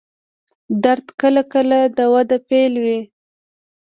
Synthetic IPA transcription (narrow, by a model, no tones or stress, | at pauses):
d̪aɾt̪kəlakəlad̪əwad̪apelwi